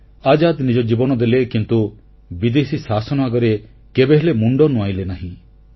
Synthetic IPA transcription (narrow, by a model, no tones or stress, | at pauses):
ad͡ʒad̪nid͡ʒɔd͡ʒibɔnɔd̪elekint̪u | bid̪esisasɔnɔaɡɔɾe | kebeɦelemuɳɖɔnuajlenaɦĩ